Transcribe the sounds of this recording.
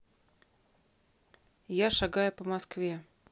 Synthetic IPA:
jaʃaɡajʊpəmɐskvʲe

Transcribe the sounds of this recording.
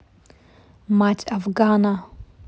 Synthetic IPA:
matʼafɡaːna

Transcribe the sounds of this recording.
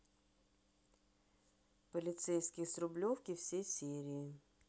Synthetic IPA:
pəlʲɪt̪sɛjskʲɪjəsɾʊblʲofkʲɪfsʲejsʲiɾʲɪː

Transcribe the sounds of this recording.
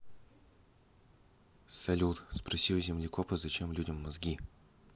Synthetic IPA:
sɐlʲut̪spɾɐsʲizʲɪmlʲɪkopəzɐt͡ɕe̞mlʲudʲɪmːɐzɡʲi

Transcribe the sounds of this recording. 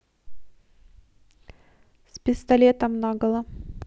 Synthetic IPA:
spʲɪst̪ɐlʲet̪əmnaɡəlˠə

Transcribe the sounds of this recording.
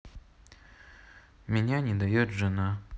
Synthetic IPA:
mʲɪnʲanʲɪd̪ɐjot̪ʐɨna

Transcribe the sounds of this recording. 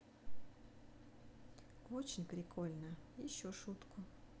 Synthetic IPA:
ot͡ɕɪnʲpɾʲɪkʰolʲnəjɪɕːoʂut̪kʰʊ

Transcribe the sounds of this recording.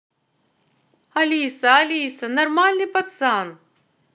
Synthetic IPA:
ɐliːsaɐlisɐnɐɾmaːlʲnipɐt̪saːn

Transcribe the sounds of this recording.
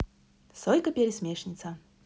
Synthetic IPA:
sɔjʲkɐpʲeɾʲɪsʲmʲeʂnʲit̪sɐ

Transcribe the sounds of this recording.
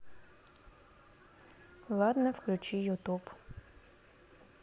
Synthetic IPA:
lˠɑd̪nɛwklʲʊt͡ʃijʊt̪up

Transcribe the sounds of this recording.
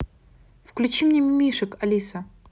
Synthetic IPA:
fklʲut͡ɕimnʲemʲɪmʲiʂɨkɐlʲisɐ

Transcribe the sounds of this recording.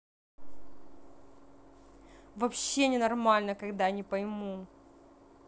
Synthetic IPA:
vɐpɕːenʲɪnɐrmalʲnəkɐɡd̪anʲɪpɐjmu

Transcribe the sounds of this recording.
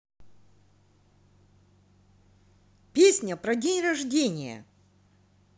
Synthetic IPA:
pʲesʲnʲəpɾɐdʲenʲrɐʐdʲenʲɪjə̰

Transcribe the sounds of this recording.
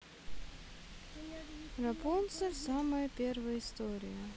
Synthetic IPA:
rɐpont̪səsaməjəpʲervəjəɪst̪oɾʲɪjə

